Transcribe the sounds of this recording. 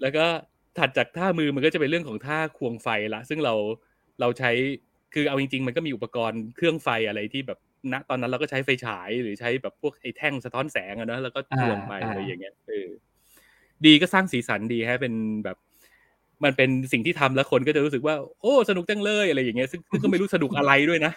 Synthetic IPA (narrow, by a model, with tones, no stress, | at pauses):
lɛː˦˥wkɔː˥˩ | t̪ʰa˨˩t̪̚t͡ɕaː˨˩k̚t̪ʰaː˥˩mɯː˧ma˧nkɔː˥˩a˨˩pe˧nɾɯ˥˩əŋkʰɔː˩˦ŋt̪ʰaː˥˩kʰu˧əŋfa˧jla˦˥ʔsɯ˥˩ŋɾa˧w | ɾa˧wt͡ɕʰa˦˥j | kʰɯː˧ʔa˧wt͡ɕi˧ŋt͡ɕi˧ŋma˧nkɔː˥˩miː˧˨ʔu˨˩pːa˧kɔː˧nkʰɾɯ˥˩əŋfa˧jʔa˧ɾa˧jt̪ʰiː˥˩bɛː˨˩p̚na˦˥ʔt̪ɔː˧nː˦˥nɾa˧wkɔː˥˩t͡ɕʰa˦˥jfa˧jt͡ɕʰaː˩˦jɾɯː˩˦t͡ɕʰa˦˥jbɛː˨˩pʰːu˥˩ək̚ʔa˧jt̪ʰɛ˥˩ŋsa˧t̪ʰɔː˦˥nsɛː˩˦ŋʔa˧nɔ˦˥lɛː˦˥wkɔː˥˩t̪ɯ˧əŋpa˨˩jʔa˧ɾa˧jːa˨˩ŋːi˦˥ɐʔɤː˧ | diː˧kɔː˥˩saː˥˩ŋsiː˩˦sa˩˦ndiː˧kʰa˦˥pe˧nbɛː˨˩p̚ | ma˧npe˧nsi˨˩ŋt̪ʰiː˥˩t̪ʰa˧mlɛ˦˥kʰo˧nkɔː˥˩t͡ɕa˨˩ɾuː˦˥sɯ˨˩kwaː˥˩ʔoː˧˥˩sa˧nu˨˩k̚t͡ɕ̪a˥˩ŋlɤː˥˩jʔa˧ɾa˧jːaː˨˩i˦˥ɐsɯ˥˩ŋsɯ˥˩ŋk̬ɔ˥˩ma˥˩jɾu˦˥˩sa˧nu˨˩k̚ʔa˧ɾa˧jdu˥˩əjna˦˥ʔ